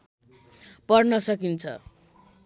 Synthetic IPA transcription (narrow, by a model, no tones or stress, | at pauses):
pʌrnʌsʌkint͡sʰʌ̰